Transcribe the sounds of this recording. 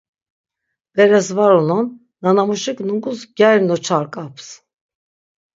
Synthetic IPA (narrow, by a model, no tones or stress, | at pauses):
b̥eɾɛzvaɾununː | anamuʃɯknuɡuzɟɛɾnot͡ʃʰaɾkʼaps